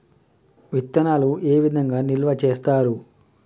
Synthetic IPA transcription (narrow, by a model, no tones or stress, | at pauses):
ʋit̪ːɐnaːluʔeːʋid̪ʱɐŋɡaːnilʋɐt͡ʃeːst̪aːɾu